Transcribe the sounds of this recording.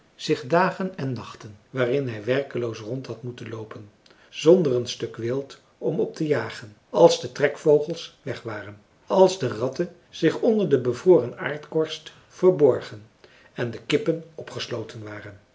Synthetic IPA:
z̥ɪχdaːχənɛnːɑχtənʋaːrɪnɦɛjʋɛrkəlowsrɔntɦɑtmutənlowpən | z̥ɔndərənstɵkʋɪlˠt | ɔmɔp̚təjaːχən | ɑlˠzdətrɛkfowχəlˠsʋɛχʋaːrən | ɑlˠzdərɑtən | z̥ɪχɔndəɹdəbəvroːrəna̰ːɹtkɔɹst | fəɹbɔɹχən | ɛndəkɪpənɔpχəslowtʰənʋaːrən

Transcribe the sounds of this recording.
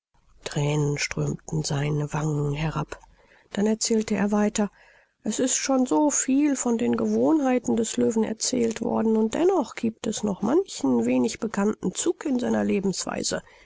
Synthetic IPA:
tʁ̥ɛːnənʃtʁ̥øːmtn̩zaɪnəvaŋŋ̩ɦɛʁap | d̥anɛɐt͡sɛːltəḛːɐvaɪtɐ | ʔɛsɪstʃoːnzoːfiːlfɔndeːnɡəvoːnɦaɪtn̩dɛsløːvn̩ɛ̰ɐt͡sɛːltv̥ɔ̰ɐdn̩ʊnt̚d̥ɛ̰nɔχɡ̥iːp̚tɛsnɔχmançn̩veːnɪçb̥əkʰanʔn̩t͡suːkɪnzaɪnɐleːbm̩sv̥a̰ɪz̥ə̰

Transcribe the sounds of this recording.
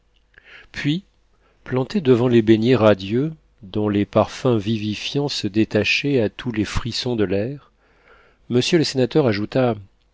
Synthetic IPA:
pɥi | plɑ̃t̪ed̪əvɑ̃lebenjeʁad̪jø | d̪ɔ̃lepaʁfɛ̃vivifjɑ̃səd̪et̪aʃeat̪ʰulefχisɔ̃d̪əlɛʁ | məsjøləsenat̪œʁaʒut̪a

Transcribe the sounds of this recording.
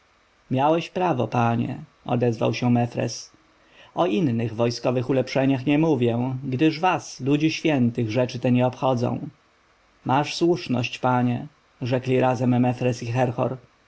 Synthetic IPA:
mʲjawɛɕpɾavɔpaɲɛ̰ɔ̰d̪ɛzva̰wɕɛmɛfɾɛ̰s | ɔinːɘɣvɔjskɔvɘxulɛpʂɛɲaxɲɛmuvʲjɛ̃ɡd̪ɘʐvaslud͡ʑiɕfʲjɛnt̪ɘɣʐɛt͡ʂɘt̪ɛɲɛɔpxɔd̪zɔ̰̃w̃ | mʔaʂswuʂnɔ̰ɕt͡ɕpaɲɛ | ʐɛklʲiɾazɛmːɛfɾɛsixɛɾxɔ̰ɾ

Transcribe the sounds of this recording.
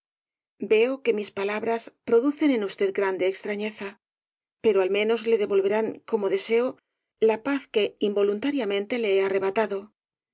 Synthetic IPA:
be̞oke̞mispalaβɾaspɾo̞ðuθe̞ne̞nust̪e̞ð̚ɡɾand̪eːkst̪ɾaɲe̞θa | pe̞ɾoalmẽ̞no̞zle̞ðe̞βo̞lβe̞ɾaŋko̞mo̞ðe̞se̞o | lapaθke̞imbo̞lunt̪aɾjamẽ̞nt̪e̞leeare̞β̞at̪aðo̞

